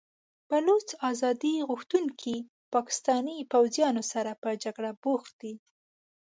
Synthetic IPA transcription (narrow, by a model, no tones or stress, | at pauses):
b̥alot͡sɑzɑd̪iɣuxt̪unkʰi | pɑkɪ̥st̪ɑnipawzjɑnosaɾapəd͡ʒaɡɽaboxt̪̚d̪i